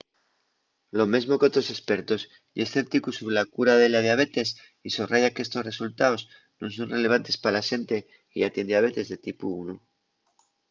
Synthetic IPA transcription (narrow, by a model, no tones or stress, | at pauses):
lo̞me̞zmo̞kot̪ɾo̞se̞spe̞ɾt̪o̞s | jesθe̞p̚t̪ikusuβɾelakuɾaðe̞laðjaβe̞t̪e̞s | isoβraʝakeest̪o̞sre̞sult̪aoz | nons̬o̞nre̞le̞β̞ant̪e̞spaɾalaʃe̞nt̪e̞ | iat̪jend̪aβ̞e̞t̪e̞zðe̞t̪ipuunu